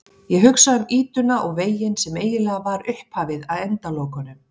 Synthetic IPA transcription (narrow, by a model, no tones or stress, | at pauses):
jɛɦʏksaʏmiːt̪ʏnaʔɔɣveːjɪnsɛmeːjɪlɛɣavaɾʏhphaːvɪðaðɛnt̪aloːwkanʏm